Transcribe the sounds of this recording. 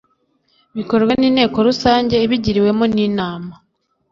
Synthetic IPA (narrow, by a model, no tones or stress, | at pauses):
βiko̞ɾɡwaniːnhe̞ːko̞ɾusaːɲɟe̞iβiɟiɾiwe̞moniːnaːma